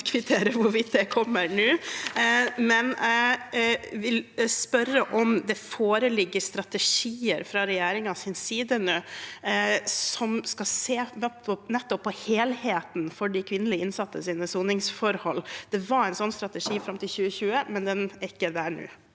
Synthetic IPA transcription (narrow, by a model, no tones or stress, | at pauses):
kʰʋɪt̪ʰeːɾəʋʊɾʋɪt̪̚d̪ɛkʰɔmːəɾɳʉː | mɛnæ | ʋɪlspœɾəʔɔmd̪ɛfoːɾəlɪɡːəɾst̪ɾɑt̪ɛʂiːəɾfɾɑɾɛjæːɾɪŋɑsɪnsiːd̪ənə | sɔmskɑseːmʰɔnɛt̪ːɔpʰːɔheːlheːt̪nfɔɖɪkʰʋɪnəlɪɪnsɑt̪ːəsiːnəsuːnɪŋsfɔɾhɔlːd̪̥ɛʋɑɾæɪnsɔnːst̪ɾɑt̪əʂiːfɾɑmt̪ɪlçʉːəçʉːəmɛnd̪ɛnɪkːəd̪æːɳʉ̰ː